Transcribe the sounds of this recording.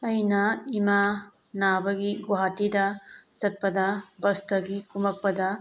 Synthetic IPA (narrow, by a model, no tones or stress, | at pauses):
ɐjnɐima | nabɐɡiɡwɦatidɐzɐt̚pɐdɐbɐstɐɡikumɐk̚pɐdɐ